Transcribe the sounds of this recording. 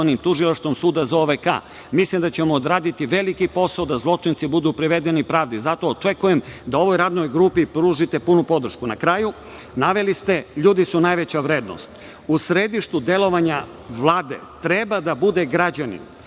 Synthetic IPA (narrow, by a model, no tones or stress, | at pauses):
animt̪uʒilˠaʃt̪ʋo̞msuːd̪azaoʋeka̰ | mislimd̪at͡ɕe̞moːd̪ɾaːd̪it̪iʋe̞likipo̞saod̪azlˠo̞t͡ʂint̪sibud̪upɾiʋe̞d̪enipɾaːʋd̪izat̪o̞ːt͡ʂekujemd̪ao̞ʋo̞jɾaːd̪no̞jɡɾupipɾuːʒit̪e̞punupo̞d̪ɾ̩ʃkunakɾaːju | naʋe̞list̪e̞ʎuːd̪isunajʋe̞t͡ɕaʋɾe̞ːd̪no̰st̪ | usɾed̪iʃt̪ud̪e̞lo̞ʋaɲa | ʋlˠaːd̪e̞̰t̪ɾe̞bad̪abud̪e̞ɡɾad͡ʑanḭm